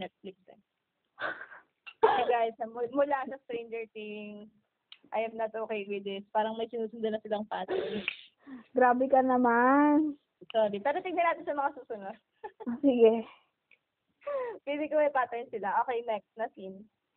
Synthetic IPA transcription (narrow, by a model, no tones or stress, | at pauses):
nɛt̪̚flɪksɛ̰ | ɪɡaːjɪsɐmʊmʊlasɐst̪ɾejnd͡ʒɛɹt̪ɪŋ | ʔɐjɐmnɐt̪ʔokejwɪd̪ɪspaːɾɐŋmɐjsɪnuːsʊnd̪ɐnɐsɪlaŋpaːt̪ɐ | ɡɾaːbɛkɐnɐman | soːɾipɛːɾot̪ɪŋd̪ɐnaːt̪ɪnsɐmɐŋɐsuːsʊnod̪̚ | ʔosɪɡɛ | pwiːd̪ɪkɐmɐjpaːt̪ɐnsɪlaʔoːkejnɛksnɐsim